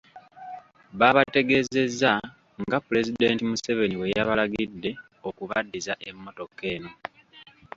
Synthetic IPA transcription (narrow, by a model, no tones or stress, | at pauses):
βaβate̞ɡe̞ze̞zːa | ŋɡapule̞zide̞ːntimuse̞βe̞niwe̞jaβalaɡidːe̞ | okuβadːizaʔe̞mːo̞to̞kːe̞ːno